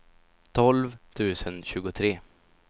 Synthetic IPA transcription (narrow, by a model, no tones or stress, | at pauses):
t̪ʰɔlvt̪ʰʉ̟ːsənɕʉ̟ːɡʊt̪ʰɾeː